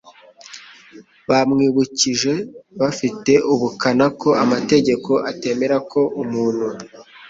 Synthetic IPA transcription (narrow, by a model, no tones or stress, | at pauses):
βamŋiːβuciʒe̞βafite̞ʔuβukanako̞ʔamate̞ɟe̞ko̞ʔate̞ːme̞ɾako̞ʔumuːnhu